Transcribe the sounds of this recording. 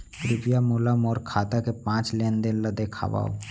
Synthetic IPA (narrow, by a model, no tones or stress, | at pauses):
kɾɪpijamuːləmɔːɾkʰaːt̪akepãːt͡ʃleːnd̪ɪnləd̪ekʰa̰ːʋa̰ːo̰